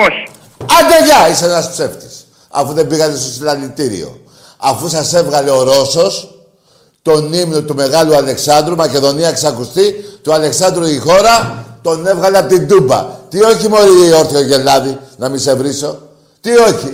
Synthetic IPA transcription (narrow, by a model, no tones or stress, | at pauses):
oçi̥ | ɐnd̪eʝɐiseenɐspse̞ft̪i̥s | ɐ̰fuðe̞biɣɐt̪e̞st̪osilɐlit̪iɾḭo̞̰ | ɐfusɐse̞vɣɐle̞oɾo̞so̞s | t̪o̞nimnot̪ume̞ɣɐluɐle̞ksɐnd̪ɾumɐce̞ðo̞niɐeksɐkust̪it̪uɐle̞ksɐnd̪ɾuixo̞ɾɐt̪o̞ne̞vɣɐleɐpt̪ind̪ubɐ̰t̪io̞çimo̞ɾio̞ɾθioʝe̞lɐðinɐmise̞vɾiso̞ | t̪io̞çi